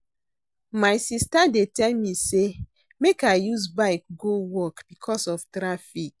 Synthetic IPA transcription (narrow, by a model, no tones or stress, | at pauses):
maɪsistadetɛlmise | mekaɪjuzbaɪk̚ɡowɔkb̥ikʰɔsɔftɾafik̚